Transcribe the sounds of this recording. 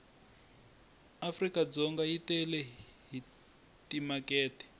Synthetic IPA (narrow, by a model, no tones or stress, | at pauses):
afrikad͡zɔŋɡaitɛlɛɦi | timakɛːtɛ̥